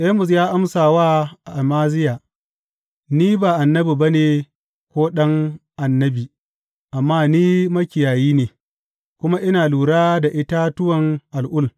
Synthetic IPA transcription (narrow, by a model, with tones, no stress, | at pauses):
ʔe˦mʊ˨s̬jaː˦ʔa˦msaː˨waː˦ʔa˨ʔa˨maː˦zɪ˦jaː˨ | niː˦baː˨ʔa˨nːɐ˦biː˨ba˦neː˨ | kʷoː˦ɗɐ˦ŋʔa˨nːɐ˦biː˨ | ʔa˨mːaː˦niː˦mɐ˦kʲɪ˨jaː˨jiː˦neː˨ | kʷʊ˦ma˦ʔɪ˦naː˨luː˨ɽaː˦da˨ʔɪ˦ta˦tʊ˦wɐ˨ŋʔa˨lʔʊ˦˨l